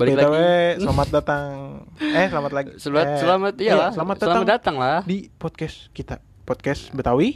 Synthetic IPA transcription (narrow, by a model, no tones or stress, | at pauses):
balilaaɡwɛslamat̪̚dat̪aŋɛhsəlamat̪laɡisəlat̪səlamat̪̚ijalasəlamat̪̚daəlamat̪dat̪aŋlahdipɔd̪̚kɛskit̪a | pɔt̪̚kɛsbət̪awi